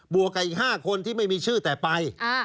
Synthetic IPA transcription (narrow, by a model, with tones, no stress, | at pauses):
bu˨˩əkːa˨˩ʔiː˨˩k̚haː˥˩kʰo˧nt̪ʰiː˥˩ma˥˩jmiː˧t͡ɕʰɯː˥˩t̪ɛː˨˩pa˧j